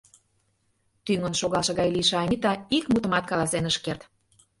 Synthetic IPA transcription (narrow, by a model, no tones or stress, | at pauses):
t̪yŋə̆nʃoɣɑlʃɤ̆ɣɑjliʃeɑmʲit̪ɑikmut̪ə̆mɑt̪̚kɑlˠɑsenəʃkert̪